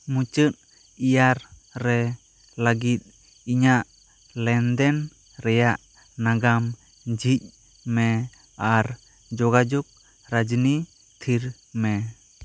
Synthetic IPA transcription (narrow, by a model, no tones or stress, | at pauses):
mut͡ʃət̪̚ | ijaɾɾɛ | laɡit̪̚ˀ | iɲaʔ | lɛnd̪ɛn | ɾɛjaʔ | naɡam | d͡ʒic̚ˀ | mɛ | aɾ | d͡ʒɔɡad͡ʒɔk̚ | ɾad͡ʒni | t̪ʰiɾ | mɛ